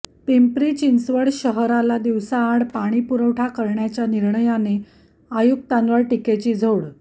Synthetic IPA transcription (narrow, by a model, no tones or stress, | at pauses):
pimpɾiːt͡ɕinsʋəɽɕəɦɾalad̪iʋsaːɽpaɽ̃iːpuɾəʋʈʰakəɾɳjat͡ɕjaniɾɳəjane | ajuk̚t̪ãnʋəɭʈiket͡ɕiːd͡zʱowɽ